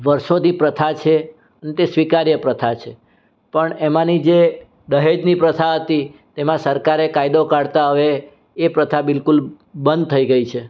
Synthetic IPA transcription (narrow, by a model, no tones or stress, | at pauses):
ʋəɾʃod̪nipɾət̪ʰat͡ʃʰe | ənet̪esʋikaɾjəpɾət̪ʰat͡ʃʰe | pəɳemãnid͡ʒe | d̪əɦed͡ʒnipɾət̪ʰaɦət̪it̪emãsəɾkaɾekajd̪okaɽt̪aɦəʋeː | pɾət̪ʰabɪlkul | bənd̪̚t̪ʰəiɡəit͡ʃʰe